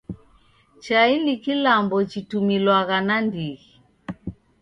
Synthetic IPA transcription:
t͡ʃainikilambɔt͡ʃitumilwaɣanandiɣi

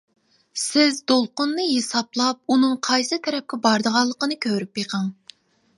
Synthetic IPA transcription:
sɪzd̪olˠqʊnːɨjesɑplˠɑp̚unɨŋqʰɑjsɨt̪ʰɛɾɛp̚kʲɛbɑɾd̪əʁɑlˠːəqənɨkʲʰøɾypjeqʰɑŋ

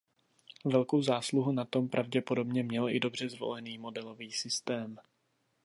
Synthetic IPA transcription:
vɛlko̞wzaːsluɦunat̪o̞mpɾʔavɟɛpo̞do̞bɲɛmɲɛlɪdo̞br̝ɛzvo̞̰lɛniːmo̞dɛlo̞viːsɪst̪ɛːm

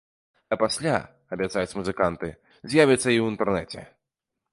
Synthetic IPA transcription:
ɐpasʲlʲa̰ | ɐbʲat̪sajutt͡sʲmuzɨkant̪ɨ̰ | zʲjavʲɐt̪sːɐiwint̪ɛrnɛt͡sʲɛ̰

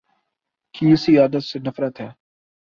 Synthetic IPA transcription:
kiɪsiaːd̪ət̪senɐfɾət̪ɦɛː

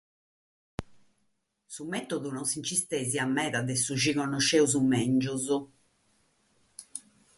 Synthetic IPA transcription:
sumɛt̪oðunɔnsint͡ʃist̪eziamːɛːðaðɛsuʒiɣɔnɔʃeuzumɛnd͡ʒuzu

